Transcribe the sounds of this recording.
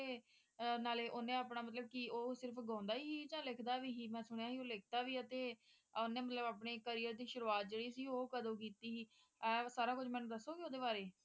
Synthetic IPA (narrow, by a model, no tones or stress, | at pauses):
eː | naːleːʔoːnẽːaːpnaːmət̪ləb̚kioːsɪɾpʰɡãːnd̪aːiːɦiːd͡ʒãːlɪkʰd̪aːʋiːɦiːmɛ̃ːsʊɳjaːɦiːoːlɪk̚ʰd̪aːʋiːət̪eː | onẽːmət̪ləbaːpɳeːkəɾiːəɾd̪iːʃʊɾuaːt̪̚d͡ʒeːɽiːsiːoːkəd̪õːk̬iːt̪iːɦiː | ɛsaːɾaːkʊd͡ʒmɛ̃ːnũːd̪əsːoːɡioːd̪eːbaːɾeː